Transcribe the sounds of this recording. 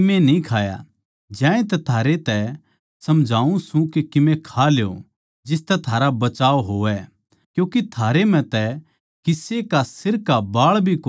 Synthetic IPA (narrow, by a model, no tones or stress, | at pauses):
mẽnĩkʰaːja̰ | d͡ʒɛ̃ːẽt̪̬ɛt̪ʰaːɾet̪ɛ | sɐmd͡ʒʱaːũsũkekɪmẽkʰaleo̰ | d͡ʒɪst̪ɛt̪ʰaːɾabɐt͡ʃaːoɦoːʋɛ | kjũːkit̪ʰaːɾem̤ɛ̃t̪ɛ | kɪsekasɪɾkabaːɭbʱiko